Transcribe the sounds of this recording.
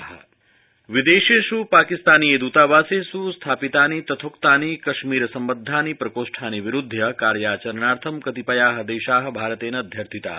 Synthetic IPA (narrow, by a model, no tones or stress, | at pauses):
ɦɐ̰ | ʋid̪eːʃeʃupaːkist̪aːnijeːd̪uːt̪aːʋaːseːsust̪ʰaːpit̪aːnit̪ɐt̪ʰoːkt̪aːnikɐʃmiːɾɐsɐmbɐd̪ʱːaːnipɾɐkoːʂʈʰaːniʋiɾud̪ʱːjɐkaːɾjaːt͡ʃɐɾnaːɾt̪ʰɐmkɐt̪ipɐjaːɦɐ̆d̪eːʃaːɦɐ̆bʱaːɾɐt̪eːnɐːd̪ʱjɐɾt̪ʰit̪a̰ː